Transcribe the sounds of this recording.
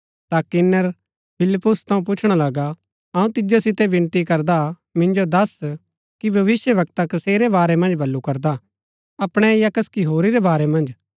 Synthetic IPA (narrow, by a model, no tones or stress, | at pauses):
t̪akɪnːəɾ | pʰɪlɪpːʊst̪ʰɐ̃ũp̬ʊt͡ʃʰɽ̃alɐɡa | ɐũt̪ɪd͡ʒosɪt̪ɛbɪ̃nt̪ikɐɾd̪a | mɪ̃nd͡ʒod̪ɐs | kibʱɐʋɪsjəʋɐk̚t̪akɐseːɾebaːɾɛmɐ̃nd͡ʒbʱɐlːukɐɾd̪a | ɐpɽ̃ɛjakɐskiɦoːɾiɾebaːɾɛmɐ̃nd͡ʒ